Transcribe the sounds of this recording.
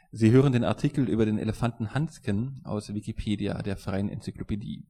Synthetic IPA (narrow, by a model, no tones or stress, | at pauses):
ziːɦøːʁ̞əndeːna̰ɐtʰiːkl̩ʔy̰ːbɐdeːnʔḛləfantn̩hanskənʔa̰ʊsv̥ikipʰeːdia̰deːɐfʁ̥aɪənɛ̰nt͡syklopedḭː